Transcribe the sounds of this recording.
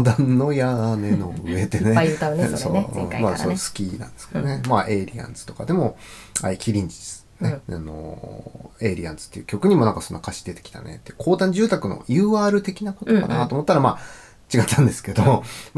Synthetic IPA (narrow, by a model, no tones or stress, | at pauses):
d̪ãnːo̞jane̞noɯ̟e̞t̪eneaso̰ɯ̰̃ːmasoːsɨ̥kʲinã̰nd̪e̞sɨ̥ked̪onemaʔe̞ɾʲiã̰nd͡zɨ̥t̪o̞̥kad̪e̞mo̞a̰ikʲʰiɾʲĩɲ̟d͡ʑid̪e̥ | neano̞̰ | e̞ɾʲiã̰nd͡zɨ̥t̪ːe̞iɯ̟̥kʲo̞kɯ̟ɲ̟imo̞nãŋkaso̞nːakʰaɕi̥d̪e̞t̪e̞̥kʲi̥t̪anḛt̪ːeɯ̟̥kʰo̞ːt̪ãɲ̟d͡ʑɨːt̪akɯ̟no̞̰jɯ̟ːaːɾɯ̟t̪e̞kʲinako̞t̪oka̰nat̪oːmo̞t̪ːaɾama | t͡ɕiɡat̪ʰːãnd̪e̞sɨ̥ke̞d̪om